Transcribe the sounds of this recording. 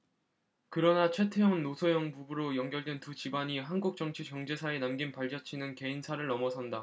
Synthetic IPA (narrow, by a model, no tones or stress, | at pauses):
kɯɾʌnat͡ɕʰwe̞tʰejʌŋnosʰʌjʌŋbubuɾojʌŋɡjʌɭdwe̞ntut͡ɕibaɲiɦanɡuk̚t͡ɕ͈ʌŋt͡ɕʰikjʌŋd͡ʑe̞sʰaenamɡinpaʎd͡ʑʌt͡ɕʰinɯnke̞insʰaɾɯɭnʌmʌsʰʌnda